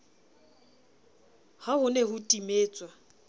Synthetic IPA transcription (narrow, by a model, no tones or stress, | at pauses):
hahʊneɦʊtʼimeːt͡sʼwa